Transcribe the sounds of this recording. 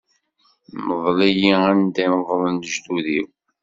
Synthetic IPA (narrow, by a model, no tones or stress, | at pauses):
məðˤlijiænd̪ænðˤmənəʒd̪uðḭw